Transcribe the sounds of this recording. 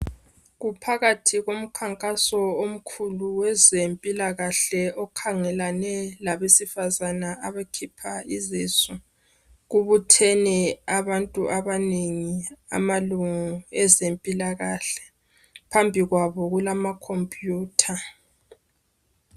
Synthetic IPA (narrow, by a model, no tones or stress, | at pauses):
ɣupʰaɣatʰiɣom̩kʰaŋkʼasɔom̩kʰuluwɛzempʼilaɣaɬɛɔkʰaŋɛlanɛlaβesifazanaaβekʰipʰaizisɔ | ɣuβutʰɛnɛaβantʼuʔaβaneŋia̰maluŋuɛzempʼilaɣaɬɛ̥ | pʰambʱiɣwaβɔɣulamakʰompʼjuːtʰa